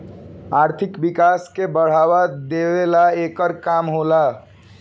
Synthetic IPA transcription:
aɾt̪ʰikbikaskebəɽ̤awad̪ewelaekəɾkamɦola

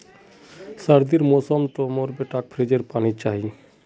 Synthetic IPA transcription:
səɾd̪iɾmoːsəmt̪omoːɾbeʈaːk̚pʰɾeːd͡ʒəɾpaːnit͡ʃaːɦi

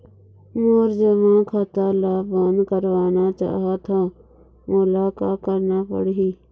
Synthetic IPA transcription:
moːɾd͡ʒəmãːkʰat̪aːlaːbənd̪kəɾʋaːnaːt͡ʃa̰ːɦaːt̪ʰãː | molaːkaːkəɾnaːpə̰ɽɦiː

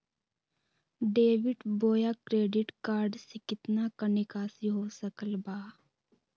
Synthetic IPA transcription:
ɖeːʋɪʈboːjakɾeːɖɪʈkaːɾɖsekɪt̪nakənekaːsiɦoːsəkəlbaː

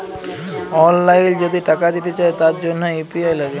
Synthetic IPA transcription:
ɔnlajld͡ʑod̪ʱiʈakad̪it̪et͡ɕaet̪aɾd͡ʑonːoipiajlaɡe

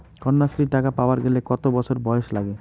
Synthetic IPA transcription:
kɔnːasɾiʈakapaoaɾɡelekɔt̪obɔt͡ɕʰoɾbɔeeʃlaɡe

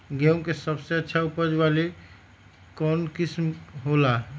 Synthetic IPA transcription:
ɡeũmkesəbseətːʃʰaupəd͡ʒbale | kɔnkismɦolaɦ

